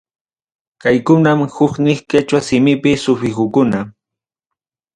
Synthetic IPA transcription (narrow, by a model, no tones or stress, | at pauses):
kajkʊnamhʊknɪχkat͡ʃasɪmɪpɪsʊfɪkʊkʊna